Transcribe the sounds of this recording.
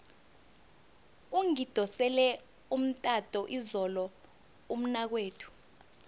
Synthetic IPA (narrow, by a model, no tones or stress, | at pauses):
uŋid̥ʱɔsɛlɛ | um̩tʼatʼɔʔizɔlɔ | um̩nak̬weːtʰu̥